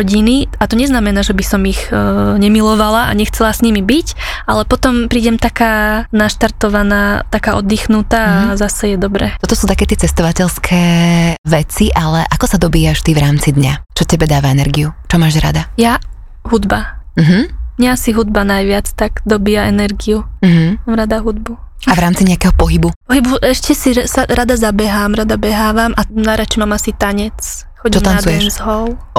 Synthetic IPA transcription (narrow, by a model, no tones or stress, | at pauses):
ɟiniat̪ɔɲɛznamɛnaːʒɛbisɔmixɲɛmilɔʋalaʔa̰ɲɛxt͡sɛlasɲimibicalɛpɔt̪ɔmpɾiːɟɛmt̪akaːnaʃt̪aɾt̪ɔʋanaːt̪akaːʔɔd̪ːixnut̪aːzasɛjɛd̪ɔbɾɛt̪ɔt̪ɔsuːt̪akɛːt̪ɪɛt͡sɛst̪ɔʋacɛʎskʰɛːʋɛt͡siʔalɛʔakɔsad̪ɔbiːaʃt̪iʋɾaːmt͡sid̪ɲat͡ʃɔcɛbɛd̪aːʋaɛnɛɾɡiut͡ʃɔmaːʒɾa̰d̪aja | ɦud̪bam̩ɦm̩mɲɛasiɦud̪̚banajʋɪat͡st̪aɡ̥d̪ɔbiːjaʔɛnɛɾɡium̩ɦ̩maːmɾad̪aɦud̪̚bu | avɾaːmt͡siɲɛakɛɦɔpɔɦibupɔɦibuʔɛʃcɛsisaɾad̪azabɛɦaːmɾad̪abɛɦaːʋamʔanaɾat͡ʃɛmaːmasit̪aɲɛt͡sxɔɟit͡ʃɔtmanat͡sujɛʃzɦɔl